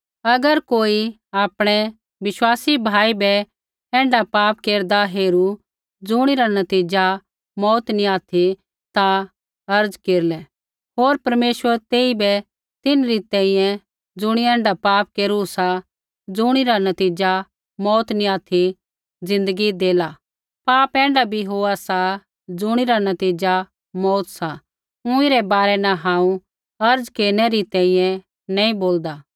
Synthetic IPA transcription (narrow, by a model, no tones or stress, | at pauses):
ɐɡəɾkoːi | aːpɽ̃ɛ | ʋɪʃwaːsibʱaːibɛ | ɛ̃ːɳɖapaːpkeːɾd̪aɦeːɾu | d͡zʊɽ̃iɾanɐt̪iːd͡ʒa | mɔːt̪niaːt̪ʰi | t̪ã | ɐɾd͡zkeːɾlɛ | ɦoːɾpɐɾmeːʃwəɾt̪eːibɛ | t̪ɪnɾit̪ɛ̃ːĩjɛ̃ | d͡zʊɽ̃iɛ̃ːɳɖapaːp̚keːɾusa | d͡zʊɽ̃iɾanɐt̪iːd͡ʒa | mɔːt̪niaːt̪ʰi | d͡zɪ̃nd̪əɡid̪eːla | paːpɛ̃ːɳɖabʱiɦoːasa | d͡zʊɽ̃iɾanɐt̪iːd͡ʒa | mɔːt̪sa | ʊ̃iɾɛbaːɾɛnaɦãːũ | ɐɾd͡zkeːɾñɛɾit̪ɛ̃ːĩjɛ̃ | nɛ̃ːĩboːld̪aː